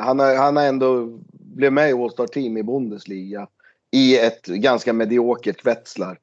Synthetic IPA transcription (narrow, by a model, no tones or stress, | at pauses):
hanaɾhanæɾɛnd̪oblɛvmɛɪɔst̪ɑːʈʰiːmɪbʊnd̪əsliːɡa | ɪɛt̪ɡanskamɛd̪ɪoːkəʈvɛt̪slaɾ